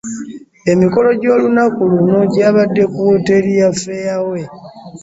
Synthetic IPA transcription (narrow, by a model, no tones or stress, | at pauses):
e̞miko̞lo̞ɟo̞ːlunakulunoɟaːβadːe̞kuwote̞ɾijafejawe̞